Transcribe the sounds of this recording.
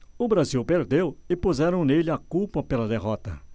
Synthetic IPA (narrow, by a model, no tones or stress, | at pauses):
ʊbɾaziwpeɾd̪ewɪpuzɛɾɐ̃w̃nelɪakuwpɐpelɐd̪eɦɔt̪ɐ̰